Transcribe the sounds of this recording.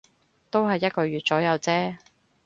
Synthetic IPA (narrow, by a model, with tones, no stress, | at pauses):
t̪o˥wɦɐ˨jːɐ˥t̚kɔː˧ɥyː˨t̚t͡sɔː˨˥jɐ˨˧wt͡sɛː˥